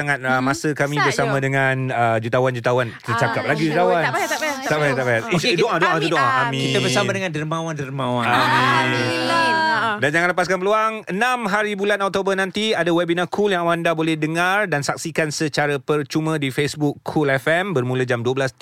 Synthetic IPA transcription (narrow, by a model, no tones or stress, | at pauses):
saŋat̪̚əmãsəkamĩbərsamãdəŋanəd͡ʒut̪awand͡ʒut̪awant̪ərt͡ʃakap̚laɡid͡ʒut̪awantt̪abaat̪abaat̪dodoãt̪udʊʔlaamĩkiabəsamadəŋãndərmãwandəɾmãwaami | dand͡ʒaŋãnləpaskanpəluaŋənãmɦaɾibulanɔk̚t̪obənãnt̪iadawɛbinãkʰuljaŋawandabolɛhdəŋardansak̚sikansət͡ʃaɾapərt͡ʃumə̃difesbukːʰulɛfɛmbərmuləd͡ʒamduəbəlas